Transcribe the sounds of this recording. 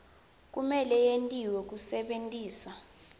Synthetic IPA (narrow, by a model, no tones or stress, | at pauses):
k̬ʼumɛlɛjentʼiwɛk̬usɛɓentʼiːsa